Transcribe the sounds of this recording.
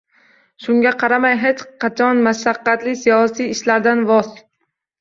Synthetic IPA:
ʃʊŋɡʲaqʰɑɾamajɦet͡ʃqʰɑt͡ʃʰɒnmaʃaqːɑt̪lɪsijɒsijɪʃlaɾd̪anvɒz

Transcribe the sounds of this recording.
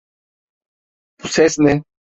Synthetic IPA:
pʊsɛsnɛ

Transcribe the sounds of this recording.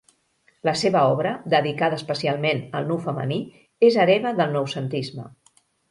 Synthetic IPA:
ləseβəɔβɾəd̪əðikaðəspəsialˠmenəlˠnuwfəmə̰ni | ezəɾɛβəðəlˠnɔwsənt̪izmə̰

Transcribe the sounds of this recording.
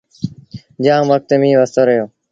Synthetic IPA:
d͡ʒãːʋək̚t̪emĩːʋəst̪oːɾəjoː

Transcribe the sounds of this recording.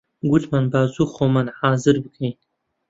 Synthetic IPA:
ɡutmanbaːzuxomanhɑːzɨɾbəkʰej

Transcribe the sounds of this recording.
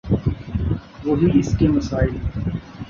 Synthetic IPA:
ʋoːɦiɪskemɐsaːɪl

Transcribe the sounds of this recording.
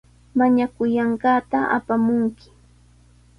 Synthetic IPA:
maɲakʊjɑɴɢɑːt̪aʔa̰pamʊŋkɪ̥

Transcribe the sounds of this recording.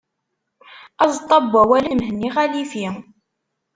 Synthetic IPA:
ɑzˤt̪ˤːɑbːæwælimhniʁælifi

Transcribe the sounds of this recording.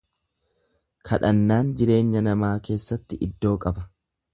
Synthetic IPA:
kʰɐᶑɐnːaːnd͡ʒɪɾe̞ːɲːɐnɐmaːke̞ːsːɐt̪ːɪʔɪd̪ːo̞ːkʼɐbɐ

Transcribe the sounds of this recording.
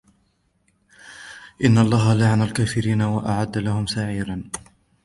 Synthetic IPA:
ʔɪnːaʔɑlˤːɑːɦalaʕanalkaːfɪɾiːnawaʔaʕad̪ːalahʊmsaʕiːɾan

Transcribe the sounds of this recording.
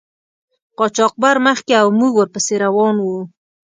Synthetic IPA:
qɑt͡ʃɑq̚baɾməxkeawmuɡwəɾpəseɾawɑnwu

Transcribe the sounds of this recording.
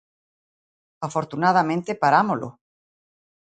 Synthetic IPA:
afoɾt̪unað̞amẽnt̪epaɾamolo̰

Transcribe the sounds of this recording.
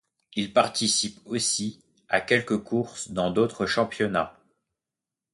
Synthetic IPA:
ilpaʁt̪isiposi | akʲɛlkəkʰuʁsd̪ɑ̃d̪ot̪χəʃɑ̃pjɔna

